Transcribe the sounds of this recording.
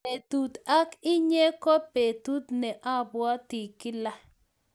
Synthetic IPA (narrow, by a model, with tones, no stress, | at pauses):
e˨tu˨ta˦kɪ˦ɲe˦ko˦pe˨tu˦t̪nɛ˨ʔa˦bwɔ˦ti˨kɪ˦la˦